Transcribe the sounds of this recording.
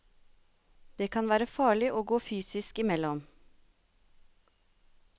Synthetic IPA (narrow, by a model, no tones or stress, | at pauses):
d̪̥eːkʰɑnʋæːɾəfɑːɭɪʔoːɡoːfyːsɪskɪmɛlɔm